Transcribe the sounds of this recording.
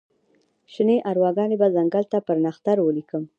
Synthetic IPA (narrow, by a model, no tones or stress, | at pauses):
ʃineʔaɾwɑɡɑnebazaŋɡalt̪apəɾnaxt̪aɾwəlikəm